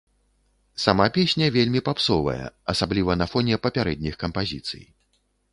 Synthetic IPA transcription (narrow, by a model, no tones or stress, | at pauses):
samapʲesʲnʲɐvʲelʲmʲipapsɔvɐ̰jɛ̰ɐsablʲivɐnɐfɔnʲɛpɐpʲaɾɛd̪ʲnʲixkɐmpazʲit̪sɨ̰j